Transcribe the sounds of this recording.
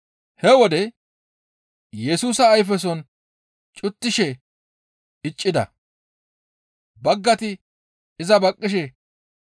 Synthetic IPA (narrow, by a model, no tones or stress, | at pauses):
hɛwɔd̪ɛ | jɛsuːsɐːjfɛs̬ɔn | t͡ʃʼʊt̪ːɪʃɛ | ɪt͡ʃʼːɪd̪ɐ̰ | bɐɡːɐt̪ɪ | ɪzɐbɐkʼːɪʃ̬ɛ